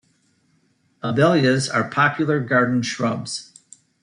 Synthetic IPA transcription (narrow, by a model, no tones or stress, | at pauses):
əbɛlˠjɨzə̰˞pʰɑpʰjl̩ˠə˞ɡɑɹdⁿn̩ʃɹʌbz̥